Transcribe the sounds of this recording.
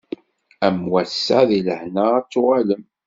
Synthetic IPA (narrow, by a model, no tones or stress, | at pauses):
æmwæsːaðiləhnaæt͡sːʊʁaləm